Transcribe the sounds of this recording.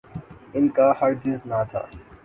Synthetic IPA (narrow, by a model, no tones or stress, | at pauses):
ɪnkahɐɾd̪ɪznat̪ʰa̰ː